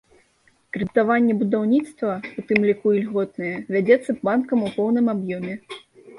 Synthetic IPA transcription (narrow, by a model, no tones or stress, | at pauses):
kɾɨt̪avanʲːɛbud̪awnʲit̪st̪vɐut̪ɨmlʲikuilʲɣɔt̪̚nɨjɛvʲad͡zʲɛt̪sːɐpbankɐmupɔwn̪ɨmabjɔmʲɛ